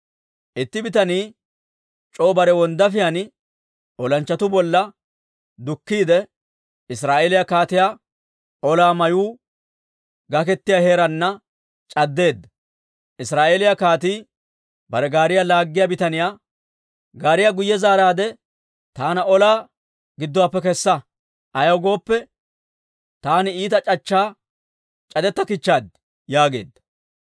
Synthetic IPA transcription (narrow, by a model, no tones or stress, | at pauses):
ʔɪt̪ːɪbɪt̪ɐniː | t͡ʃʼo̞ːbɐɾɛwɔnd̪ɐfɪjɐnɪ | ʔɔlɐnt͡ʃːɐt̪ʊbɔlːɐ | d̪ʊkːiːd̪ɛ | ɪsɾaːʔeːlɪjakaːt̪ɪjaː | ʔɔlaːmɐjuː | ɡɐk̬ɛt̪ːɪjahe̞ːɾɐnːɐ | t͡ʃʼɐd̪ːe̞ːd̪ːɐ | ʔɪsɾaːʔeːlɪjakaːt̪iː | bɐɾɛɡaːɾɪjalaːɡːɪjabɪt̪ɐnɪjaː | ɡaːɾɪjaɡʊjːɛzaːɾaːd̪ɛ | t̪aːnɐɔlaː | ɡɪd̪ːɔwaːpːɛkɛsːɐ | ʔɐjɐwɡo̞ːpːɛ | t̪aːnɪiːt̪ɐt͡ʃʼɐt͡ʃːaː | t͡ʃʼɐd̪ɛt̪ːɐkɪt͡ʃːaːd̪ | jaːɡe̞̰ːd̪ːɐ̥